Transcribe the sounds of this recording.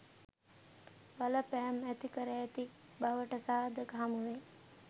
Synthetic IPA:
baləpæɦɛmæt̪ikəɾəːt̪i | baʋəʈəsaːd̪əkəɦamuʋe

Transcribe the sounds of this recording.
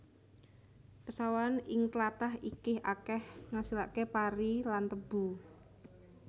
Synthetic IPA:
pəsawanɪŋklat̪aɦikɪhakɛhŋasila̰ʔkepaɾilant̪əb̥ṳ

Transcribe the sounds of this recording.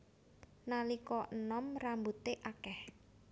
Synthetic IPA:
nalikɔʔənɔmrambut̪eʔakɛh

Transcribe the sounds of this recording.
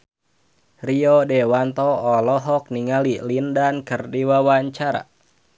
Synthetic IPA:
riodewant̪ɔːlɔɦɔk̚niŋalilindankɨrdiwawaɲt͡ʃaɾa̰

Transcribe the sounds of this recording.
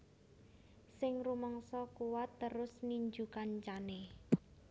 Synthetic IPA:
sɪŋrumɔŋsɔkuwat̪ːəɾʊsniɲd͡ʒukant͡ʃane

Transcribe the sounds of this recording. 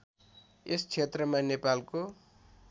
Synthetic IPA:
est͡sʰet̪rʌmanepalko

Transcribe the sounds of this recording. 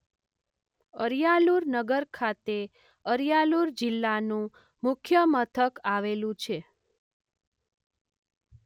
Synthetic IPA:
əɾjaluɾnəɡəɾkʰat̪e | əɾjaluɾd͡ʒɪlːanũ | mʊkʰjəmət̪ʰəkaʋelũt͡ʃʰe

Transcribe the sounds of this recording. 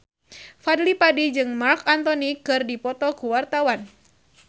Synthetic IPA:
fadlipadid͡ʒɨŋmarkant̪ɔnikɨrdipɔt̪ɔkuwart̪awan

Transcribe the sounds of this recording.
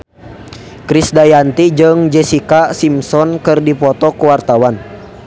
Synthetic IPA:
kɾisdajant̪id͡ʒɨŋd͡ʒɛsikasimsɔnkɨrdipɔt̪ɔkuwart̪awan

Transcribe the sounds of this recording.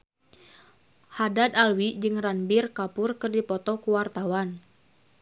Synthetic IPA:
hadad̪alwid͡ʒɨŋranbirkapʊrkɨrdipɔt̪ɔkuwart̪awan

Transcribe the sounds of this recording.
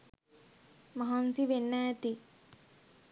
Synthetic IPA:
mɐɦansiʋenːajət̪i

